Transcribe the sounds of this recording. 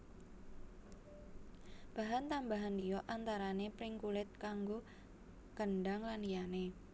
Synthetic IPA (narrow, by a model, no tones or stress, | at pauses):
b̥aɦant̪ambaɦand̪ijɔʔant̪aɾanepɾɪŋkulɪt̪̚kaŋɡo | kənɖaŋlanijane